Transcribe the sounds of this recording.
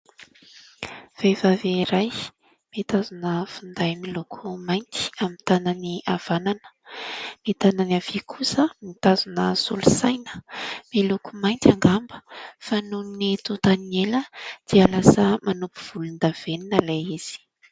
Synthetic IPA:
v̥evaveiɾaj | mit̪azunəfund̪ajmilukʰumajnt̪i̥amint̪ananiav̥ananə̥ | mit̪ananav̥ikʰusəmit̪azunəsṵlusajnə̥milukumajnt̪aŋɡambəfanunit̪ut̪anieləd̪̥ialasəmanupuv̥ulund̪av̥eninəlajiz̥i̥i̥

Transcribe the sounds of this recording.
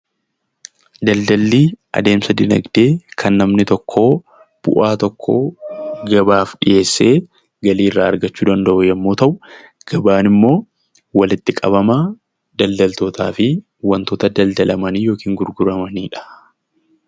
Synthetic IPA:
d̪ɐld̪ɐlːiːʔɐ̰d̪e̞ːmsɐd̪ɪnɐ̰ɡd̪eːkʰɐnːɐmnɪt̪ɔkʰːo̞ː | b̥ʊ̰ʔaːt̪ɔkʰːoːɡɐbaːfᶑɪʔe̞ːsːeː | ɡɐliːrːaːɐɾɡɐt͡ʃːuːd̪ɐnd̪ɐʔʊjɐmːo̞ːt̪ɐʔʊ | ɡ̥ɐbaːnɪmːo̞ː | wɐlɪt̪ːɪkʼɐbɐmɐ | d̪ɐld̪ɐlt̪oːt̪a̰ːfɪ | wɐnt̪oːt̪ɐd̪ɐld̪ɐlɐmɐniːjo̞ːkiːŋɡʊɾɡʊɾɐmɐniːᶑɐ̥

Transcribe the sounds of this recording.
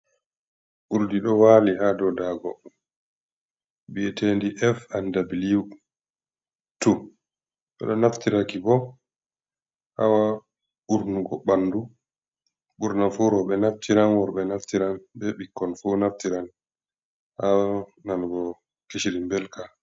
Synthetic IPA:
ʔuɾdiɗɔwalihadɔdaɡɔ | biɛtʰendiʔɛfandabiliu | tu | ɓɛ̰ɗɔnaftiɾakibɔ | ha̰wa | ɓuɾnuɡɔɓanːdu | ɓuɾnafuɾɔɓɛnaftʰiɾanwɔɾɓɛnaftiɾanbɛɓikːɔnfunaftiɾan | hawanalɡɔ | keʃiɾimbɛlka

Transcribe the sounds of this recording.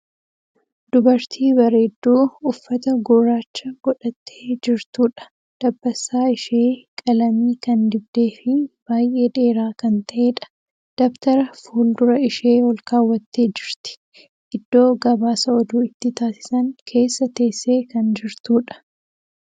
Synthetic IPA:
d̪̥ʊbɐɾt̪ʰiːbɐɾe̞ːd̪ːuːʊfːɐt̪ɐɡɔɾaːt͡ʃːɐɡɔᶑɐt̪ʰːe̥ːd͡ʒɪɾt̪uːᶑɐ̥ | d̪̥ɐbːɐsːaːɪʃeːkʼɐlɐmiːkɐnd̪ɪb̚d̪e̞ːfɪb̥aːjʔe̞ːᶑe̞ːɾaːkɐnt̪ɐʔe̞ːᶑɐ̥ | d̪̥ɔbt̪ɐɾɐfuːld̪ʊɾɐɪʃe̞ːwɔlkaːwːɐt̪ːe̞ːd͡ʒɪɾt̪ɪ̥ | ʔɪd̪ːo̞ːɡɐbaːsɐɔd̪uːɪt̪ːɪt̪aːsɪ̥sɐŋkʰe̞ːsːɐt̪e̞ːsːe̞ːkɐnd͡ʒɪɾt̪uːᶑɐ̥

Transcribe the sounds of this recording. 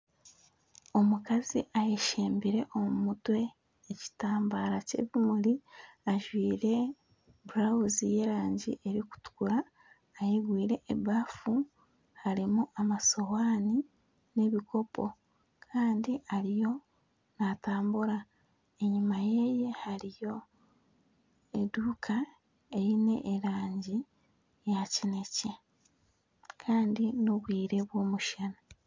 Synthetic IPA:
o̞mukaziʔajeʃe̞ːmbiɾe̞ʔo̞mumutwe̞ː | ci̥taːmbaːɾace̞̰ːβimuɾiaʒwiːɾe̞ | buɾawuzije̞ɾaːɲɟḭʔe̞ɾiku̥tu̥kuɾaː | jeɡwiːɾe̞ʔːβafu | haɾimuʔamaso̞waːni | ne̞βiko̞po̞ | kʰaːndiaɾijo̞ | nataːmbuɾa | e̞ɲumajeje̞haɾijo̞ | eduːkʰa | e̞jine̞̰ʔːɾaːɲɟi | jacinece | kʰaːndinoβwiːɾe̞βwo̞ːmuʃana

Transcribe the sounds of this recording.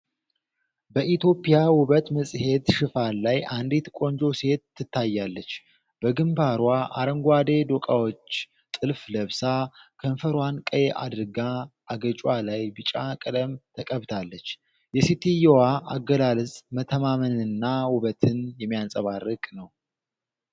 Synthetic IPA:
bəʔit̪jo̞pʼijawʊβət̪məsʼhe̞d̪ʃɨfanlajʔand̪it̪kʼo̞nd͡ʒo̞se̞t̪ːɨt̪ʰːajːalːət͡ʃː | b̥əɡɨmbaɾwaʔa̰ɾəŋɡʷad̪e̞d̪okʼawo̞t͡ʃː | t̪ʼɨlfləβsakʰənfəɾwankʼəjʔa̰d̪ɾɨɡa | aɡət͡ʃʼwalajbɨt͡ʃʼakʼəd̪əmt̪ʰəkʼəβt̪ʰalːət͡ʃː | jɛsit̪ʰijowaʔaɡəlalɨsʼmət̪ʰəmamənɨnːawʊβət̪ʰɨnjɛmːijasʼəβarːɨkʼnəw

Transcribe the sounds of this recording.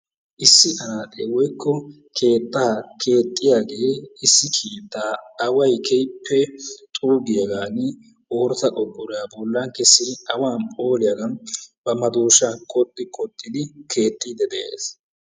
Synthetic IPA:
ʔɪsːɪʔɐnaːt̪ʼewɔjkʰːɔ | kʰe̞ːt̪ʼːaːɐkʰe̞ːt̪ʼːɪjaːɡe̞ːɪsːɪkʰiːt̪ːaːɐwɐjkʰɛjpʰːɛt̪ʼuːɡɪjɐɡaːnɪ | oːɾt̪ɐʔʼɔkʼːʊɾɪjabɔlːaːŋkɛsːɪd̪ɪɐwaːnpʼo̞ːlɪjɐɡɐnbɐmɐd̪uːʃankʼɔt̪ʼːɪkʼɔt̪ʼːɪd̪ɪkʰe̞ːt̪ʼːiːd̪ɛd̪ɛḛːs

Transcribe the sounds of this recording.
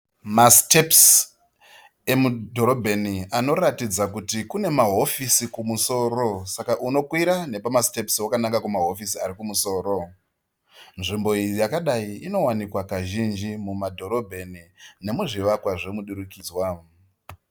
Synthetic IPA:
masteps | e̞mudʱo̞ɾo̞bʱeniano̞ratid͡zak̬utikune̞maɦo̞fisikumuso̞ːɾo̞sakaʔuno̞kwiɾane̞pamaste̞pswakanakakumaɦo̞fisiaɾikumuso̞ːɾo̞ | nʐimbo̞ijijakaɗaiino̞wanikwakaʒind͡ʒimumadʱo̞ɾo̞bʱe̞nine̞muʐiʋakwaʐemuɗuɾukid͡zwa

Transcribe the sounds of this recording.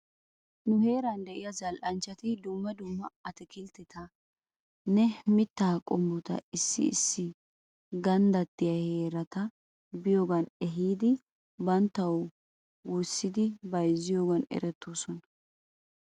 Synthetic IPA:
nʊhe̞ːɾɐnd̪ɛʔɪjɐzɐlʔɐnt͡ʃːɐt̪ɪd̪ʊmːɐd̪ʊmːɐɐt̪ɛkɪlt̪ːɛt̪ʰɐ | nɛmɪt̪ːaːkʼɔmːɔt̪ɐ̰ɪsːɪ̰ɪ̰sːɪ | ɡɐnd̪ɐt̪ːɪjɐheːɾɐt̪ɐ | bɪjoːɡɐnɛɦiːd̪ɪ | bɐnt̪ːɐw | wɔsːɪd̪ɪbɐjzːɪjoːɡɐnɛ̰ɾɛt̪ːoːsɔnɐ

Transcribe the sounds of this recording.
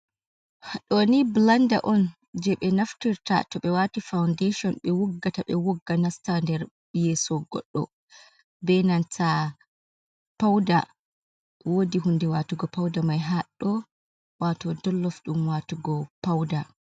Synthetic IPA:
haɗɔniblanda̰ʔɔn | d͡ʒɛɓɛnaftiɾta̰tɔɓɛwatifawndeʃɔnɓɛwuɡːataɓɛwɔɡːanastandɛɾ | jɛsɔɡɔ̰ɗːɔ̰ | bɛnantʰa | pawda | wodiɦundɛwatuɡɔpawdamajɦaɗːɔ | watɔdɔlːɔfɗumwatuɡɔpawda

